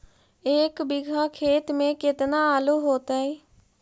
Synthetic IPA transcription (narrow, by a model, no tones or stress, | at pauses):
eːkbɪɡʱaːkʰeːt̪mẽːkɪt̪naːaːloːɦoːt̪aːɛː